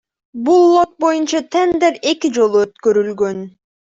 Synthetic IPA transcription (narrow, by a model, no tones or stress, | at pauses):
bulˠːo̞t̪̚bo̞junt͡ʃɑt̪ʰend̪eɾe̞kid͡ʒo̞lˠuøt̪kø̞ɾylɡø̞n